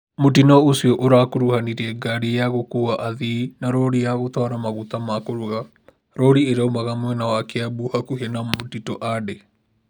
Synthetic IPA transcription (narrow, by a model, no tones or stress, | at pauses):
motinɔosiɔʔoɾakoɾuhaniɾiɛɡaɾejaɣokuaʔaðinaɾɔɾijaɣotɔɾamaɣut̪amakoɾuɣa | ɾɔɾieɾaomaɣamwɛnawakeabuhakuhenamotitɔʔade